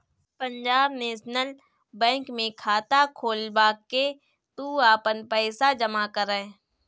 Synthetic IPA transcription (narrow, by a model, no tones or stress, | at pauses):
pə̃ɲd͡ʒaːbneːʃnəl | bɛ̃ːŋkmẽkʰaːt̪akʰoːlbaːkːe | t̪uaːpənpɛːsad͡ʒəmakəɾə